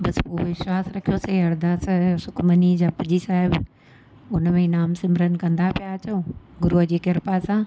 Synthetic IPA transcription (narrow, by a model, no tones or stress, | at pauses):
bɐspoːʋɪʃwaːsɾɐkʰijoːseɐɾd̪aːssʊkmənid͡ʑaːpɐd͡ʑisaːɦɪb | ʊnmẽnaːmsɪ̃mɾənkɐ̃nd̪apijat͡ɕoː | ɡʊɾuəd͡ʑiːkɪɾpasãː